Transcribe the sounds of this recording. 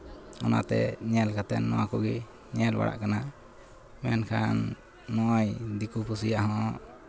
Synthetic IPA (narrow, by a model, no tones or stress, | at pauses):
ɔna̰t̪ɛ̰ɲɛlkat̪ɛnːɔwakuɡi | ɲɛlba̰ɽa̰ʔkana | mɛnkʰanː | ɔʔjd̪ikupusijaʔɦɔ̃ʔ